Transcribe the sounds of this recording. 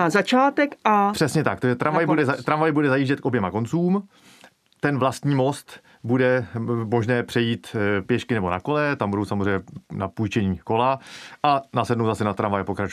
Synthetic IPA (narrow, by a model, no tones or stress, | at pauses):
azat͡ʃaːt̪ɛkʔapr̥ɛsɲɛt̪ak̚t̪aʒɛt̪ɾʔanvajbbudɛzat̪ɾanvajɪbudɛzajiːʒɟɛt̪kʔo̞bjɛmako̞nt͡suːm | t̪ɛnvlast̪ɲiːmo̞st̪ | budɛmo̞ʒnɛːpr̥ɛjiːt̪pjɛʃkɪnɛbo̞nako̞lɛt̪ambudowsamozrɛjɲɛnapujt͡ʃɛɲiːko̞laʔanasɛdnowt̪asɛnat̪ɾanvajɛpo̞kɾat͡ʃu